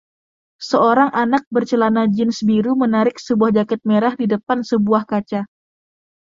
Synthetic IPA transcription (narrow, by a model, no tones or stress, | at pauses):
səoɾaŋʔanak̚bərt͡ʃəlanad͡ʒɪnsbiɾumənaɾɪk̚səbuahd͡ʒakɛt̪̚meɾahdidəpansəbuahkat͡ʃa